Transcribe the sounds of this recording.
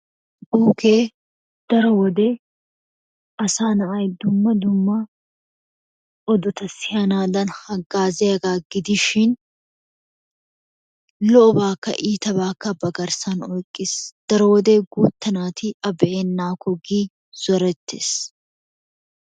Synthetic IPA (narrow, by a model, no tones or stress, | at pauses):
buːkeː | d̪̥ɐɾɔwɔd̪e | ʔɐsaːnɐʔɐjd̪ʊmːɐd̪ʊmːɐ | ɔd̪ɔt̪ɐsɪjɐnaːd̪ɐnhɐɡːaːzɛɐɡaːɡɪd̪ɪʃɪn | lɔɔbaːkːɐ̰ʔiːt̪ɐbaːkːɐbɐɡɐɾsɐnɔjkʼːɪsd̪̥ɐɾɔwɔd̪eːɡuːt̪ːɐnaːt̪ɪʔɐbɛʔeːnːaːkɔɡiː | z̥ɔɾɛt̪ːḛːs